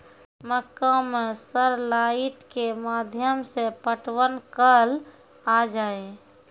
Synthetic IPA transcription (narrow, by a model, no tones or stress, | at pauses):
məkəmesəɾlaɪʈkemaːd̪ʱjəmsepəʈwənkəl | ad͡ʒaːe